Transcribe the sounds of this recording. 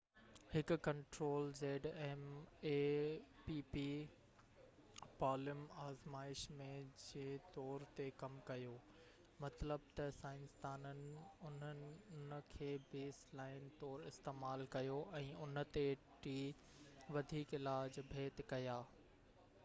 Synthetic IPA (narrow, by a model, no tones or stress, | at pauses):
hɪkʊ̆kɐ̃ɳʈɾoːlzeːɖɛːmeːpiːpiː | paːlɪmaːzmaːɪʃmẽd͡ʑeːt̪ɔːɾt̪ekɐmkɐjoː | mɐt̪ləb̚t̪ɐsaːɪ̃nst̪aːnənɪ̆ʊn̤ənɪ̆nkʰeːbeːslaːɪnt̪ɔːɾɪst̪eːmaːlkɐjoʔɛ̃ːʊn̆t̪e | ʈiː | ʋɐd̪ʱiːkɪlaːd͡ʑbʱeːt̪kɐjaː